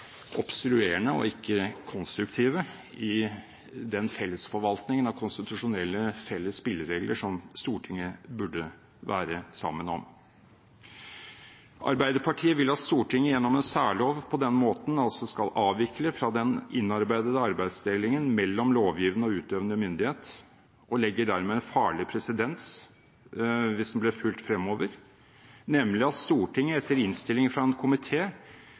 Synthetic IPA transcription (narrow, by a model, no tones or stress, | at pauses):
ʔɔbst̪ɾʉeːɳəɔ̰ɪkːəkʰɔnst̪ɾʉkt̪ʰiːʋə | ɪ | d̪ɛnfɛlːəsfɔɾʋɑlt̪nɪŋənɑʋkʰʊnst̪ɪt̪ʉʂʊnɛlːəfɛlːəsspɪlːəɾeːɡlʔəʂɔmst̪uːʈʰɪŋːəbʉɖə | ʋæ̰ːɾəsɑ̰mːənɔ̰m | ʔɑ̰ɾbæɪd̪əpʰɑʈʰiːəʋɪlːɑt̪st̪uːʈʰɪŋːəjɛnːɔmɛnsæːɭoːʋpʰɔd̪ɛnmoːt̪n̩ɑlsɔskɑlɑːʋɪkʰləfɾɑd̪ɛnɪnːɑɾbæɪd̪əd̪əɑɾbæɪd̪sd̪eːlɪŋənmɛlːɔmloːʋjiːʋnəɔʉːt̪øːʋnəmʏnd̪ɪheːt̪ | ʔɔlɛɡːəɖæɾmeːɛnfɑːɭɪpʰɾɛsɪd̪ɛns | ʋɪsd̪n̩blɛfʉlt̪fɾɛmoːʋəɾ | nɛmlɪɑt̪st̪uːʈɪŋːəɛt̪ːəɾɪnst̪ɪlɪŋfɾɑɛnkʰʊmɪt̪ʰeː